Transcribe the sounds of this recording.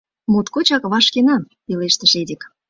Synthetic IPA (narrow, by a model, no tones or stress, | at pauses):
mut̪kot͡ɕɑkβɑʃkenɑm | ileʃt̪əʃed̪ʲek